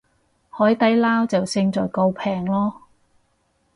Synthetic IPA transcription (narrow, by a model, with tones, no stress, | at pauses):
hɔː˨˥jt̪ɐ˨˥jlaː˥wt͡sɐ˨wsɪ˧ŋt͡sɔː˨˩jko˧wpʰɛː˨˩ŋlɔː˥